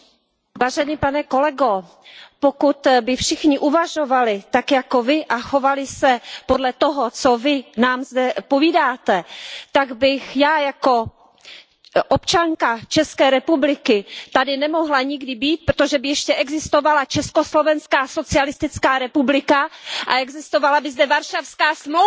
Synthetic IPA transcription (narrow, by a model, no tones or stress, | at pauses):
vaːʒɛniːpanɛko̞lɛɡo | pokut̪bɪfʃɪxɲɪʔuvaʒo̞valɪt̪akjakovɪʔaxo̞valɪsɛpodlɛt̪oɦot͡sovɪnaːmzdɛpoviːdaːt̪ɛt̪aɡbɪxjaːjako̞ | ʔopt͡ʃaŋkat͡ʃɛskɛːɾɛpublɪkɪt̪adɪnɛmo̞ɦlaɲɪɡdɪbiːt̪̚pɾot̪oʒɛbɪjɛʃcɛʔɛɡzɪst̪o̞valat͡ʃɛskoslo̞vɛnskaːso̞t͡sɪalɪst̪ɪt͡skaːɾɛpublɪkaʔa̰ɛɡzɪst̪ovalabɪzdɛvaɾʃafskaːsmlo